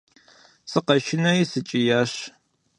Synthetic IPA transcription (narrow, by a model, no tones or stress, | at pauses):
sɨqɐʃɪnɐjsɨt͡ʃʼijaːɕ